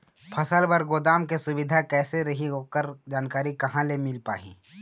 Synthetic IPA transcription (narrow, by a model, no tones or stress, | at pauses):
pʰɐsəlbɐɾɡoːd̪aːmkesʊbɪd̪ʱakɛːseɾɐɦiɦoːkəɾd͡ʒaːnkaːɾikɐɦãlemɪlpa̰ːɦḭ̃ː